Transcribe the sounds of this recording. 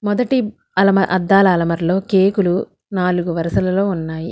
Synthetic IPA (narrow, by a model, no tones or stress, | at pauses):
mɔd̪ɐʈi | ɐlɐmɐʔɐd̪ːaːlɐːlɐmɐɾlo̞ːkeːkulu | naːluɡuʋɐɾɐʃɐlɐlo̞ːunːaːjḭ